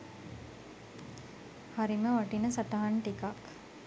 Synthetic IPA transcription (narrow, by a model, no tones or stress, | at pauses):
haɾiməʋaʈinəsaʈaɦaɳʈikak